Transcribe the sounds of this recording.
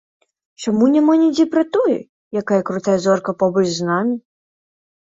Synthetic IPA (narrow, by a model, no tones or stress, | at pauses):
t͡ʂamunʲɛmanʲɛd͡zʲejpɾɐt̪ɔjɛ̰ | jakajɐkɾut̪ajɐzɔrkɐpɔbɐt͡ʃznamʲɐ